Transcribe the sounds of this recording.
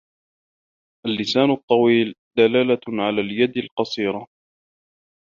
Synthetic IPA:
ʔalːɪsaːnʊt̪ˤːɑwiːld̪alaːlaʕalaːljad̪alqɑsˤiːɾa

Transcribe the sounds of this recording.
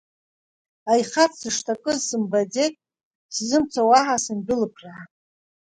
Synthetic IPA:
ajχat͡sʰsɨʂtʰakʼɨzsɨmbad͡zekʼ | szɨmt͡sʰawaħasɨmbʊlɨpʰraʕa

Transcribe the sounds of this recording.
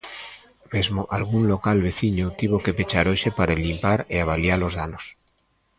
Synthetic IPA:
mezmoʔalɣunlokalβeθiɲot̪iβoke̞pet͡ʃaɾoʃepaɾaelimpaɾeaβ̞aljalozðanos

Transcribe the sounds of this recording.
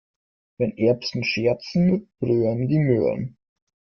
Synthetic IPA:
vɛnʔɛɐpsn̩ʃɛɐt͡sn̩mɪt̚b̥ʁøːɐndiːmø̰ːə̰n

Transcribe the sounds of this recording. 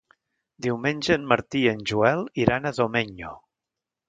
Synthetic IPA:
d̪iwmenʲʒəːnməɾt̪iənʲʒuɛlˠiɾanəðomeɲo̰

